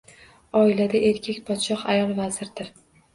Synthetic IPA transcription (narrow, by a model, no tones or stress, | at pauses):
ɒilad̪aʔe̞ɾkʲʰekʲpʰɒt̪ʃɒqajɒlˠvazɪɾd̪ɪɾ